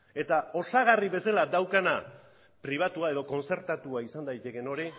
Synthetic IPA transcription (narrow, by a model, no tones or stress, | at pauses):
e̞t̪ao̞saɣ̞ariβe̞salad̪awkana | pɾiβ̞at̪uae̞ð̞o̞ko̞nt͡se̞ɾt̪at̪uaisand̪ajt̪e̞ke̞no̞ɾi